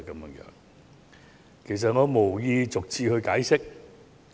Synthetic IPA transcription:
kɐ˨˦mjœː˨˧ŋjœ̰ː˨˥ŋ | kʰe˨˩js̬ɐ˨t̚ŋɔː˨˧mo˨˩wjiː˧t͡sʊ˨k̚t͡siː˧hɵ˧ɥkaː˨˥jsɪ˥k̚

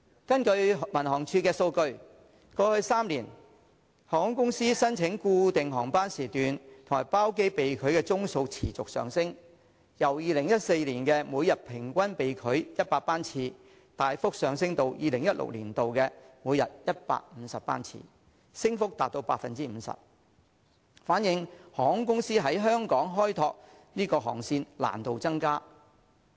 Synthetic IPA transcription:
kɐ˥nkɵ˧ɥmɐ˨˩nhɔː˨˩ŋt͡ʃʰyː˧kɛː˧so˧wkɵ˧ɥ | kɔː˧hɵ˧ɥsaː˥mliː˨˩n | hɔː˨˩ŋɔ˨˥ŋkʊ˥ŋsiː˥sɐ˥nt͡sʰɪ˨˥ŋkuː˧t̪ɪ˨ŋɦɔː˨˩ŋpaː˥nsiː˨˩t̪yː˨nt̪ʰʊ˨˩ŋaː˨˩jpaː˥wk̬e˥jpe˨jkʰɵ˨˧ɥkɛː˧t͡sʊ˥ŋso˧wt͡sʰiː˨˩t͡sʊ˨k̚sœ̰ː˨ŋsɪ˥ŋ | jɐ˨˩wjiː˨lɪ˨˩ŋjɐ˦˥t̚se˧jliː˨˩nkɛː˧muː˨˧jɐ˨t̚pʰɪ˨˩ŋkʷɐ˥npe˨jkʰɵ˨˥ɥjɐ˥t̚paː˧paː˥nt͡sʰiː˧ | t̪aː˨jfʊ˥k̚sœː˨ŋs̬ɪ˥ŋt̪o˨wjʔiː˨˧lɪ˨˩ŋjɐ˥t̚lʊ̰˨k̚lḭː˨˩nt̪o˨wkɛ˧muː˨˧jɐ˨t̚jɐ˥t̚pa̰ː˧k̚m̩ː˨˧sɐ˨p̚pa̰ː˥nt͡sʰḭː˧ | sɪ˥ŋfʊ˥k̚t̪aː˨t̚t̪o˧wpaː˧t̚fɐ˨nt͡siː˥m̩ː˨˧sɐ̰˨p̚ | faː˨˥njɪ˨ŋhɔː˨˥ŋkʊ˥ŋsiː˥ɦɐ˨˥jɦœː˥ŋkɔː˨˥ŋɦɔː˥jt̪ʰɔː˧k̚ | niː˥kɔː˧ɦɔ̰ː˨˩ŋsiː˧nla̰ː˨˩nt̪o˨wt͡sɐ˥ŋkaː˥

